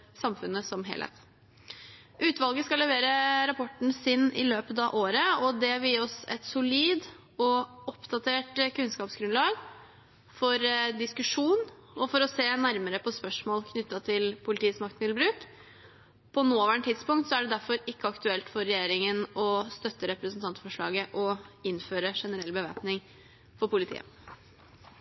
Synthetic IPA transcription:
sɑmfʉnːəsɔmɦḛːlæ̰ɪt̪ | ʔʉːt̪ʋɑlɡəskɑlɛʋeːɾəɾɑpʰɔʈːn̩sɪnɪ̰løːpət̪ɑʋʔoːɾəɔd̪ɛʋiːɔsɛ̰t̪sʊliːd̪ | ɔɔpːd̪ɑt̪ʰeːʈkʰʉnskɑːpsɡɾʉnlɑːɡ | fɔɾd̪ɪskʉʂuːn | ɔfɔɾɔseːnæɾməɾəpʰɔspœʂmoːlkʰnʏt̪ːɑt̪ʰɪlpʰʊlɪt̪iːəsmɑk̚t̪mɪbɾʉːk | pʰɔnoːʋæɳʈ̪ʰɪt̪spʊŋkt̪sɔæɖɛd̪æɾfɔɾɪkːəɑkt̪ʉɛlt̪fɔɾːɛjeːɾɪŋənɔst̪œt̪ːəɾɛpɾəsnt̪ɑnt̪fɔʂɭɑːɡəʔɔɪnføːɾəʂɛnəɾɛlːbəʋḛːpnɪŋ | fɔɾpʊlɪt̪ʰḭːə̰

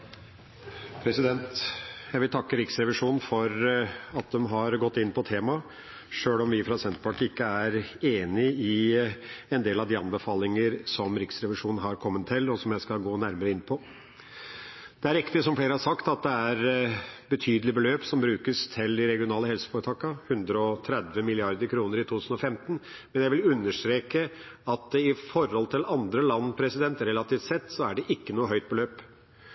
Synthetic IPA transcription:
pʰɾɛsɪd̪ɛnt̪jæɪʋɪlt̪ʰɑkːəɾɪksɾɛʋɪʂuːnn̩fɔɾɑt̪̚d̪ɛmɦɑɾɡɔt̪ːɪnːpʰɔt̪ʰeːmɑ | ʂøːlɔmʋɪfɾɑsɛnt̪pʰɑʈɪkːəæɾeːnɪɪ | ɛnd̪eːlɑʋd̪ɪɑnbəfɑːlɪŋəɾsɔmɾɪksɾɛʋɪʂuːnn̩ɦɑɾkʰɔmːənt̪ʰːɪlːɔsɔmjæɪskɑlɡoːnæɾməɾəɪnːpʰɔ | d̪̥ɛæɾɪkt̪ɪsɔmfleːɾəhɑʂɑkt̪ɑt̪̚d̪ɛæɾbət̪ʰyːd̪əlɪbəløːpsɔmbɾʉːkəst̪ʰɪlɪɾɛɡɪʊnɑːləhɛlsə̥foːɾət̪ʰɑːkəhʉnd̪ɾəɔt̪ʰɾɛd̪ʋəmɪlɪɑɾd̪əɾkʰɾuːnəɾɪt̪ʰuːt̪ʰʉːsn̩ɔfɛmt̪ən̩mɛnjæɪʋɪlʉnːəʂt̪ɾeːkə | ɑt̪̚d̪ɪfɔɾhɔlt̪ʰɪlɑnd̪ɾəlɑnːpʰɾɛsɪd̪ɛnt̪ɾɛlɑt̪ʰiːft̪sɛt̪ːsɔæɖɛʔɪkːənuːəɦœʏt̪̚bəløːp

